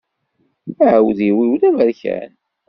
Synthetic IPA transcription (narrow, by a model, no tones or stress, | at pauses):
æəwðiwiwlævəɾçæ̰n